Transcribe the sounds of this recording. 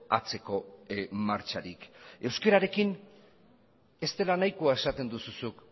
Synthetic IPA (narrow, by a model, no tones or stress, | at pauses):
a̰t͡se̞ko̞maɾt͡ʃaɾike̞wske̞ɾaɾe̞kin | e̞st̪e̞lanajkuae̞sat̪e̞nd̪ususuk